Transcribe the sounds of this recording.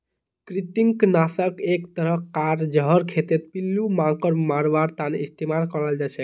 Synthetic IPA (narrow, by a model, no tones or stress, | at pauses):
kɾit̪iŋknasəkekt̪əɾəɦkaɾd͡ʒʌɦəɾkʰet̪et̪̚pilːumãŋkəɾmaɾʋaɾt̪anist̪emalkɔɾəld͡ʒasʰɛk